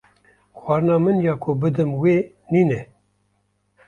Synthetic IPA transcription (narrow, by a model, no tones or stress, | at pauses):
xʷwɑːɾɨnɑːmɨnjɑːkʰobɨd̪ɨmweː | niːnɛ